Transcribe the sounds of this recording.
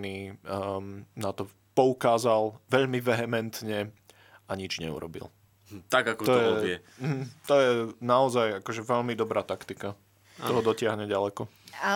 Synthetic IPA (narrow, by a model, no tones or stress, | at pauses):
ni | nat̪ɔ | pɔukaːzalʋɛʎmiʋɛɦɛmɛnt̪ɲɛ | ʔaɲid͡ʒɲɛ̰ṵɾɔ̰bḭl | t̪aɡakɔt̪ɔjɛɔɛ | m̩ɦm̩t̪ɔjɛnaɔzajakɔʒɛʋɛʎmid̪ɔbɾaːt̪akt̪ika | t̪ɔɦɔd̪ɔcɪaɦɲɛɟalɛkɔ | a